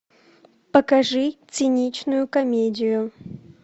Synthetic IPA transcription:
pəkɐʐɨt̪sɨnʲit͡ɕnʊjʊkɐmʲedʲɪjʊ

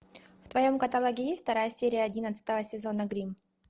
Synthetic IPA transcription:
ft̪vɐjo̞mkɐt̪ɐlˠoɡʲɪjeft̪ɐɾajəsʲeɾʲɪjəɐdʲinət̪sɨ̥t̪əvəsʲɪzo̞nəɡɾʲim

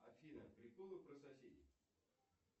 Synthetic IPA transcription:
ɐ̰fʲinəpɾʲɪkolˠɨpɾəsɐsʲedʲɪ

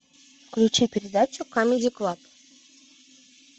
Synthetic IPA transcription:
fklʲʉt͡ɕipʲɪɾʲɪd̪at͡ɕʊkomʲɪdʲɪklˠap

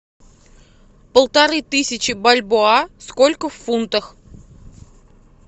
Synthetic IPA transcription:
pəlˠt̪ɐɾɨt̪ɨsʲɪt͡ɕɪbɐlʲboaskolʲkəfːunt̪əx

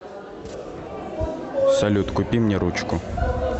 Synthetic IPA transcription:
sɐlʲut̪kʊpʲimnʲɛɾut͡ʃkʊ

